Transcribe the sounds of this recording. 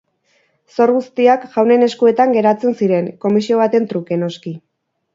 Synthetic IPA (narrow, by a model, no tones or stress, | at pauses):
so̞ɾɣust̪iakʝawne̞ne̞skue̞t̪aŋɡe̞ɾat͡se̞nsiɾe̞ŋko̞misio̞β̞at̪e̞nt̪ɾuke̞no̞ski